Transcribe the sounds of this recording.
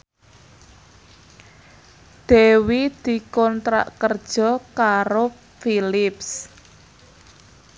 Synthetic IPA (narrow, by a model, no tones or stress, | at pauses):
d̪̥e̤wid̪̥i̤kɔnt̪ɾa̰ʔkərd̥ʒ̥ɔ̤kaɾo | filɪps